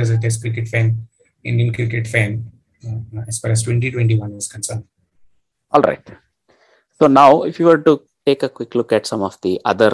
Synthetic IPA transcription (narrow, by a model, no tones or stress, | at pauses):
ɔzəʈeskɾɪk̬eʈfæ̃m | ɪ̃ɳɖiə̃nkɾɪkeʈfæ̃ːm | ɛsfaɾəsʈwɛ̃ɳʈiʈwɛ̃ɳʈiʋɐ̃nʋɔz̥kə̃nsəɾɳɖ | ɔːlɾʔa̰ɪʈ | soːnaʊɪfjuʋəɖ̚ʈu | ʈeːkəkwɪklʊkæʈsʌ̃mɔfd̪iʔʌ̰d̪əɾ